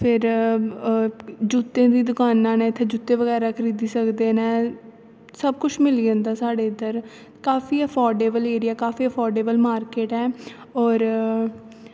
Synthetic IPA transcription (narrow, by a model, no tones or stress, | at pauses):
pʰɪɾ | d͡ʒut̪ːẽːd̪iːd̪ʊkaːnːãːnẽːɪt̪ʰːeːd͡ʒut̪ːẽːʋəɡɛːɾaːkʰəɾiːd̪iːsəkd̪eːnɛ̃ː | səb̚kʊt͡ʃʰmɪliːd͡ʒə̃nd̪aːsaːɖeːɪd̪əɾ | kaːfiːəpʰɔːɾɖeːbəleːɾɪɛːkaːfʰiːəpʰɔːɾɖeːbəlmaːɾkeːʈɛː | ɔːɾ